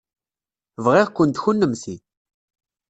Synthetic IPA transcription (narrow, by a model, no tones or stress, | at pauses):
vʁiʁkʷːənt̪çunːəmsi